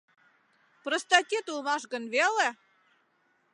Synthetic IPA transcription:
prəst̪ɑtʲet̪ulˠmɑʃ̬ɣənβele

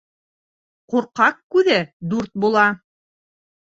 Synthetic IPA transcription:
quɾqɑqkʉðæd̪uɾt̪̚bulˠɑ

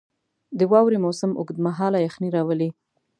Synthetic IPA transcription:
d̪əwɑwɾimosɪmʔʊ̰ɡd̪maɦɑlajaxniɾɑwəli

